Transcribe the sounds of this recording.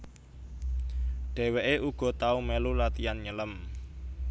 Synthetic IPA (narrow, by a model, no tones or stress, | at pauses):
ɖ̥ɛ̤weʔeʔuɡ̥ɔ̤t̪aumelulat̪ianɲələm